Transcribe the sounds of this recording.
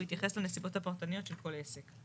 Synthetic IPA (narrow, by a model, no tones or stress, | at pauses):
it̪jaχeslanesibo̞t̪apaʁt̪aniot̪ʃelko̞lesek